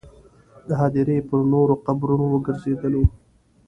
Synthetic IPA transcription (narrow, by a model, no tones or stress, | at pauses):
d̪əɦɑd̪ɪɾepəɾnoɾoqabɾunowəɡəɾzed̪əlo